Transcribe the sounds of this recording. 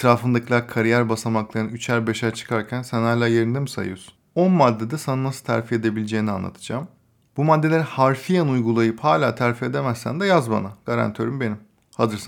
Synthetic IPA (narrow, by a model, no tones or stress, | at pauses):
et̪ʰɾaːfɯnd̪acʰilˠakʰaɾijæɾbasamaklˠaɾɯnyt͡ʃʰæɾbeʃæɾt͡ʃʰɯ̥kʰaɾcʰænsænalʲˠaje̞ɾind̪emisa̰jɯ̰jsu̥no̞nmad̪ːed̪asananasɯ̥t̪ʰæɾfie̞d̪e̞bilʲed͡ʒejinia̰nːˠa̰t̪ʰɯ̥d͡ʒaːm | bumad̪ːe̞lʲeɾihaɾfijanujɡulˠajɯphaːlʲaːt̪ʰæɾfie̞d̪e̞mæzsæ̰nd̪ɛjazba̰naɡ̥aɾa̰nt̪ʰjøɾymbe̞nim | hazɯɾsa